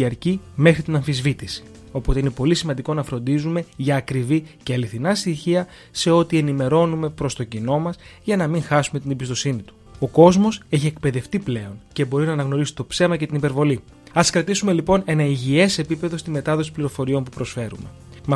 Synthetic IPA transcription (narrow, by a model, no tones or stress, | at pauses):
iɐɾcime̞xɾit̪inɐɱfizvit̪isi̥ | o̞po̞t̪eine̞po̞lisimɐnd̪iko̞nɐfɾo̞nd̪izume̞ʝɐːkɾiviceɐliθinɐst̪içiɐ | se̞o̞t̪ie̞nime̞ɾo̞nume̞pɾo̞st̪o̞cino̞mɐsʝɐnɐmiŋxɐsume̞t̪inebist̪o̞sinit̪u̥o̞ko̞zmo̞se̞çiek̚pe̞ðe̞ft̪iple̞o̞nce̞bo̞ɾinɐːnɐɣno̞ɾisi̥t̪o̞pse̞mɐce̞t̪inipe̞ɾvo̞li | ɐskɾɐt̪isume̞lipo̞ne̞nɐiʝie̞se̞pipe̞ðo̞st̪ime̞t̪ɐðo̞si̥pliɾofo̞ɾio̞mpupɾo̞sfe̞ɾṵme̞̰ | mɐ